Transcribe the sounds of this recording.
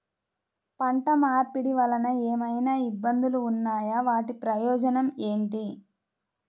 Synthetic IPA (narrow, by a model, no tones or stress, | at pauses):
pɐɳʈɐmaːɾpiɽiʋɐlɐnɐeːmɐjnaːibːɐnd̪uluːnːaːjɐʋaːʈipɾɐjɔːd͡ʒɐnɐme̞ːɳʈi